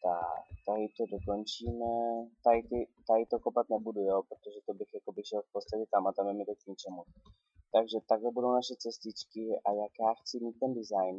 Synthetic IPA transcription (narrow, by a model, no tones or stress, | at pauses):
t̪a̰kt̪aɦɪt̪odokont͡ʃiːmɛt̪ajt̪ɪt̪ajt̪okopat̪nɛbudujoːpɾot̪oʒɛt̪obɪxjako̞bɪʃɛlfpot͡st̪acɛt̪amat̪amɛmɪt̪okɲit͡ʃɛmu | t̪aɡʒɛt̪aɡlɛbudo̞wnaʃɛt͡sɛst̪ɪt͡ʃkɪʔajakjaːxt͡sɪmiːt̪̚ːɛndɪzajn